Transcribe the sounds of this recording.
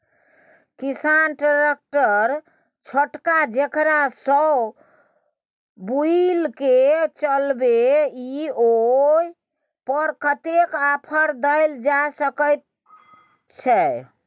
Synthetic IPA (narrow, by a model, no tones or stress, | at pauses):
kisanʈaɾek̚ʈəɾ | t͡ʃʰoʈkad͡ʒekɾasə | builket͡ʃəlbeioj | pəɾkət̪ekapʰəɾd̪əɪld͡ʒasəkəjt̪̚ | t͡ʃʰɛ